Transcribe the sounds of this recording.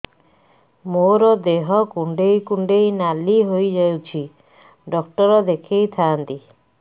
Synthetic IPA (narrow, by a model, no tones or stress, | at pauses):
moɾɔd̪eɦɔkuɳɖejkuɳɖejnaliɦojd͡ʒawt͡ʃʰi | ɖɔkʈɔɾɔd̪ekʰejt̪ʰaːnt̪i